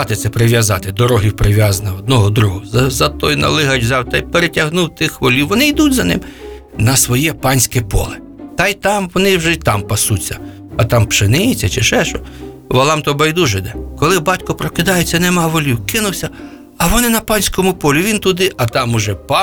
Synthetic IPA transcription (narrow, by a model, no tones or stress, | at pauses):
ɑt̪ɪtsɛpɾɪʋʲjɐzɑt̪ɪd̪ɔɾɔɦiwpɾɪʋʲjɑzɐnɐɔd̪nɔɦɔd̪ɾuɦɔzɐzɐt̪ɔjnɐ̰lˠɪɦɐt͡ʃʲzɑwt̪ɐjpeɾetʲɐɦnuwt̪ɪxʋɔlʲiwʋɔnɪjd̪udʲzɐnɪ̰m | nɐsʋɔjɛpɑnʲsʲkɛpɔ̰lˠɪ | t̪ɐjt̪ɑmʋɔnɪwʒɛt̪ɑmpɐsut͡sʲːɐ | ɐt̪ɑmpʃɪnɪjt͡sʲːɐt͡ʃɪʃɛʃɔ | ʋɐlˠɑmt̪ɔbɐjd̪uʒɪd̪ɛkɔlˠɪbɑtʲkɔpɾɔkɪd̪ɑjet͡sʲːɐnɛmɑʋɔlʲiwkɪnʊwsʲɐ | ɐʋɔnɪnɐpɑnʲsʲkɔmʊpɔlʲiʋʲint̪ʊd̪ɪʔɐt̪ɑmʊʒɛpɑ